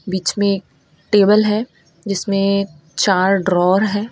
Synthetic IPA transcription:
biːt͡ʃmẽeːk̚ | ʈeːbəlɦɛː | d͡ʒɪsmẽ | t͡ʃaːɾɖɾɔːɾɦɛː

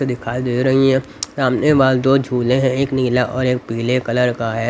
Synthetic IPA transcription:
ed̪ɪkʰaːid̪eːɾɐɦiɦɛ̃ | saːmneʋaːld̪oːd͡ʒʱuːlẽɦɛ̃eːkniːlaʔɔːɾeːk̚piːlekɐləɾkaɦɛː

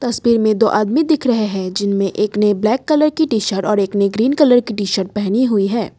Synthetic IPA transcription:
t̪ɐswiːɾmẽd̪oːʔaːd̪mid̪ɪkʰɾɐɦeɦɛ̃d͡ʒɪnmẽʔeːkneblɛːkːɐləɾkiʈiːʃəɾʈɔːɾeːkneɡɾiːnkɐləɾkiʈiːʃəɾʈ̚pɛɦñiɦuiɦɛː

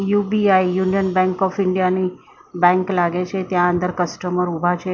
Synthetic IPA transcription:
jubiaijunijənbɛ̃ŋkɔfɪɳɖijani | bɛ̃ŋklaɡet͡ʃʰet̪jãənd̪əɾkəsʈəməɾubʱat͡ʃʰe

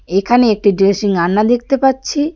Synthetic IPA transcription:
ekʰaneek̚ʈiɖɾesiŋanːad̪ek̚ʰt̪epatːɕʰi

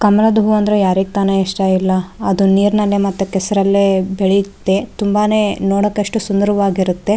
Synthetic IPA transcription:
kɐmɐlɐd̪uɦuɐnd̪ɾejaːɾiɡ̚t̪aːnɐiʂʈaːilːɐɐd̪uniːɾnɐlːemɐt̪ːukɛsɐɾɐlːebeɭit̪ːet̪umbaːne̞noːɽɐkːɐʂʈusund̪ɐɾɐʋaːɡiɾut̪ːe̞

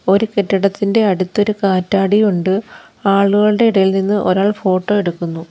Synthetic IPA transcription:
o̞ɾuke̞tːɐɽɐt̪ːinde̞ɐɽut̪ːo̞ɾukaːtːaːɽijuɳɖɨ | aːɭuɣɐɭɨɽe̞iɽɐjilninːɨʔo̞̰ɾaːɭfo̞ːʈːo̞ːe̞ɽukːunːu

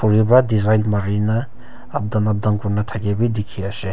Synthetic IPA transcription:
pʰuɾibɾadizajlmaɾinɐː | b̚danɐb̚daŋkuɾnɐtʰaɡebidikʰːiɐse

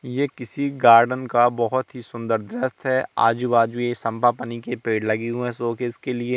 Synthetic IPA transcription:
jeːkɪsiɡaːɾɖənkabɐɦʊt̪ɦisʊ̃nd̪əɾd̪ɾəst̪ɦɛːa̰ːd͡ʒubaːd͡ʒuesɐ̃mpapɐnikepeːɖlɐɡiɦũɛ̃soːkeɪskelie

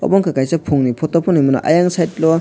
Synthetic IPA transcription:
ɔ̰bɔŋkʰakajsapʰuŋnipʰɔtɔpʰɔnujmuna̰ʔa̰jaŋsajtlɔ

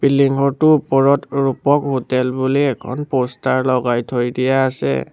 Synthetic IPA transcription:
piliŋɡɔtʊpɔɹɔtɹupɔkɦotɛlbuliɛkʰɔ̰npostaɹlɔɡajtʰojdijaːsɛ̰

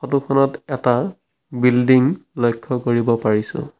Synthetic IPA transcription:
xɔtukʰɔnɔtɛta | bildiŋlɔjkʰːɔkoɹibɔpaɹisʊ̰̃

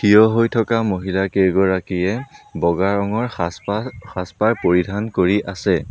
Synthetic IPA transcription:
kʰijɔɦojtʰɔkamoɦilakeɡɔɹakiɛbɔɡaɹɔŋɔɹ | xaspaɹpoɹidʱankoɹiʔasɛ

